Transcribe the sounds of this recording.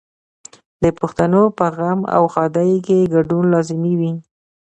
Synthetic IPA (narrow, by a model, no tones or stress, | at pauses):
d̪əpʊxt̪anopəɣama̰wxɑd̪ajkeɡaɖunlɑzɪmiwi